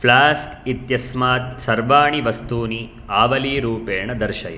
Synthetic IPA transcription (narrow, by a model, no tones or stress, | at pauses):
pʰlaːskit̪jɐsmaːt̪̚sɐɾʋaːɳiʋɐst̪uːni | aːʋɐliːɾuːpeːɳɐd̪ɐɾʃɐjɐ